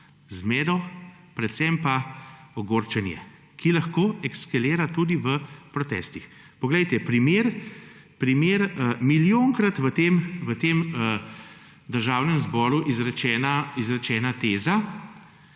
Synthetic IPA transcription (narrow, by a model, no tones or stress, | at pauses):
zmɛːd̪ɔ | pɾɛt̪sɛmpaɔɡoːɾt͡ʃɛnjɛ̰ | kʰilaxkoːɛkskaleːɾat̪uːd̪iʋəpɾɔt̪ɛ̰ːst̪ix | pɔɡlɛjt̪ɛpɾimeɾ | pɾimeːɾəmiljoŋkɾat̪ʋət̪eːmʋət̪eːmə | d̪əɾʒaːwnɛmzbɔːɾuʔizɾɛt͡ʃɛːnaizɾɛt͡ʃɛːnat̪eːza